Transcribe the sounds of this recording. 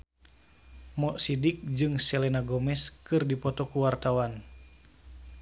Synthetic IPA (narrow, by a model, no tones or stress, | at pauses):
mɔʔsidik̚d͡ʒɨŋsɛlɛnaɡɔmɛskɨrdipɔt̪ɔkuwart̪awan